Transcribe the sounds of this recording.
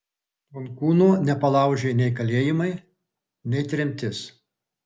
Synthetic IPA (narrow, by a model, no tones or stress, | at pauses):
ʊnkuːnuːnʲɛpɐlˠɐˑʊʒʲeɪnʲɛɪkɐlʲeːjɪmɐɪ | nʲɛɪt̪ʲɾʲɛmʲt̪ʲɪs